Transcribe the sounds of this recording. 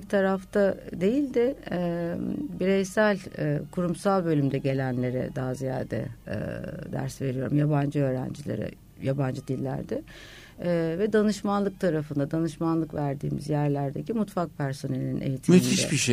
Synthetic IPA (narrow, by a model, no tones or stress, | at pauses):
t̪ʰaɾaft̪ʰad̪e̞jilʲd̪ɪɛbiɾejsælʲkʰuɾumsalˠbø̞lʲymd̪ɛɟe̞lʲænlʲe̞ɾɛ̰d̪aːzija̰ːd̪ɛ̰ | d̪æ̰ɾsve̞ɾijo̞ɾumjaband͡ʒɯø̞ːɾæ̰nd͡ʒilʲḛɾɛ̰ | jaband͡ʒɯd̪ilʲːæ̰ɾd̪ɪ | vɛd̪anɯʃmanlˠɯk̚t̪ʰaɾafɯnd̪ad̪anɯʃmanlˠɯkvæɾd̪ḭːmḭzjæɾlʲæɾd̪ecimut̪fak̚pʰæɾso̞ne̞lʲinʔe̞̰jit̪ʰimiinid̪ɛ̰biʃe